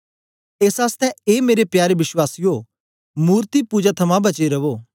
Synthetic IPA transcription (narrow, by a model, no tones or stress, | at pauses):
eːsaːst̪ɛ̃eːmeːɾepjaːɾeʋɪswaːsijo | muːɾt̪ipuːd͡ʒat̪ʰɐmãbɐt͡ʃeɾɐʋoː